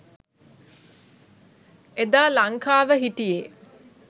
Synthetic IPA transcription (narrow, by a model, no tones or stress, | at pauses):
ed̪aːlaŋkaːʋəɦiʈije